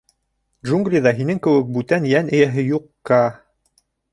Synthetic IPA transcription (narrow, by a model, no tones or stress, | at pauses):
dʒuŋɡrʲijðɑɦinɘŋkɘ̆wɘk̚bʉt̪ænjænɘ̆jæɦɘjuqːɑ